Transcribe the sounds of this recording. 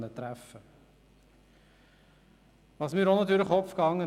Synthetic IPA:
nət̪ɾæfə | ʋɑːsmiːɾonːɑt̪yːɾləχɔpfkɑŋːə

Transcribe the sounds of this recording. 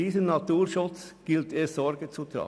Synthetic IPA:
iːzənnɑtuːʁʃʊt͡s | ɡ̥ɪltʰeːzɔɾɡət͡sut̪ɾɑ̰

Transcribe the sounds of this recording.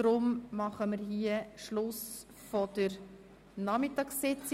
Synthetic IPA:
ɾʊmmɑχəməɾɦiəʃlʊs | fɔd̥əɾ | nɑmɪtɑksːɪt͡s

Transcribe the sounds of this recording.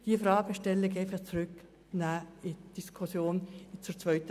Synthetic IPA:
d̥iəfɾɑːɡ̥əʃtɛlːɪkɛfɐst͡srʏk | naːɪd̥iskʰʊsjoːnt͡suɾt͡svœʏtə

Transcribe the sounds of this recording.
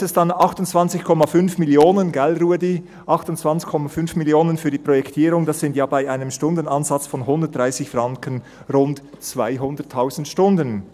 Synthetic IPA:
ɛsd̥anɑχtʊnt͡sv̥ɑnt͡sɪçkʰɔmafʏnfmɪljoːnənɡɛlɾuːədi | ʔɑχtʊnt͡sv̥ant͡sɪ̥çkʰɔmafʏnfmiljoːnənfyːɐdiːpʁ̥ɔjɛktʰiːɾʊŋdasz̥ɪntjaːbaɪʔaɪnəmʃtʊndənɑnz̥ɑt͡sfɔnɦʊndət̚d̥ʁaɪsɪçfʁɑŋkən | ʁʊnt | t͡sv̥a̰ɪɦʊndətʰːaʊzn̩tʃtʊndən

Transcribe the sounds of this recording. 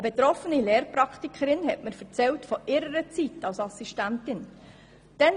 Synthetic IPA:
əbet̪ɾɔfənileːɾpɾɑktikχəɾɪnɦɛtməɾfəɾt͡sɛltfɔʔɪɾəɾət͡sitɑlsɑsiʃtæntɪn | d̥ɛn

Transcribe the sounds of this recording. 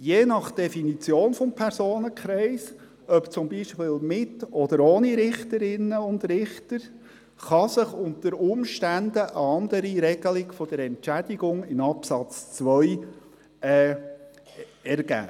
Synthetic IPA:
jeːnɑχd̥ɛfinit͡sjoːnfɔmpʰɛɾsoːnəkʰχɾɛɪs | œpt͡sʊmbiʃpɪːlmɪtɔd̥̪əɾoːniɾɪχtəɾɪnːəʊnd̪rɪχtəɾ | χɑsəχʊnt̪əɾʊmʃtænd̪əʔəɑnd̪əɾiɾɛɡ̥əlɪɡfɔd̥əɾɛnt͡ʃæd̥̪iɡʊŋɪmɑpsɑt͡st͡sʋœʏ | ɛː | ɛɾɡ̥æ̰ː

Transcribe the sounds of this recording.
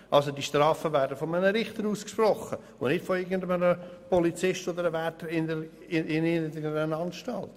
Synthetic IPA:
ʔɑlsodiʃtrɑːfəvæːɾdəfɔmənəɾɪχt̪əɾuːskʃprɔχə | ʊ̰nnɪtfoɪɡəndəmənəpɔlit͡sɪʃtod̪əɾəvɛtəɾɪnə | ɪɪnɪdəənɑnʃtɑlt

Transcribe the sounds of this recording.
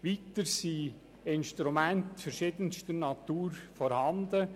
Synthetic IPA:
ʋitəɾsiː | ɪnʃtɾumɛntfɛɾʃɪdənʃtənɑt̪uːɾfɔɾhɑndə

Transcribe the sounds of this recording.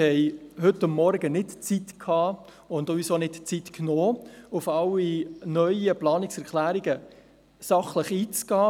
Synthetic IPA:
hɛɪhʏtːʊmːɔɾɡənɪtt͡sitkʰːɑː | ʊndoʋisoːnɪtt͡sitknoːʊfɑlinœʏəplɑːnɪksɛɾklæːɾiɡə | sɑχləχiːt͡sɡ̥ɑː

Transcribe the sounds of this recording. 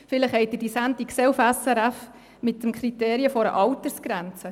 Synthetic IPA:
fɪləχhɛɪt̚ədisæntiksɛufɛsɛɾæf | mɪt̪ːəmkχɾit̪eːɾiəfɔɾə̰ʔɑwtəsɡ̥ɾænt͡sə

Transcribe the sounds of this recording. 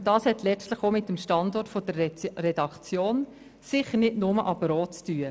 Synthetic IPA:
d̥ɑːshɛtlɛt͡stləχomɪtːəmʃtɑndɔrtfod̥əɾːɛdɑkt͡sjoːn | sɪχənɪdnʊməʔɑpəɾɔːtt͡styːə

